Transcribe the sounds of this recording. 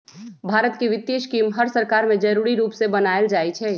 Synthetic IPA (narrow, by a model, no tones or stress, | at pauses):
bʱaːɾət̪kiʋɪt̪ːeːʃkiːmɦəɾsəɾkaːɾmẽd͡ʒɐɾuːɾiɾuːpsebɐnaːəld͡ʒaːit͡ʃʰɛː